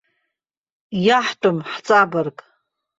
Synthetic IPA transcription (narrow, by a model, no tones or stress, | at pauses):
jaħtʼʊmħt͡sʼabarkʼ